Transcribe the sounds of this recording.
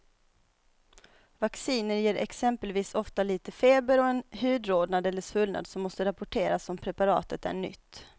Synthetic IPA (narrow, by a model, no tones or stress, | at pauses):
vaksiːnəɾjeːɾʔɛ̰ksɛmpəlviːsɔft̪aliːt̪əfeːbəɾɔɛnhyːd̪ɾoːd̪nad̪ɛlːəʂvɵlna̰d̪sɔmːɔst̪əɾapʊʈʰeːɾasɔmpʰɾɛpaɾɑ̰ːt̪ət̪æ̰ɳʏ̰t̪ː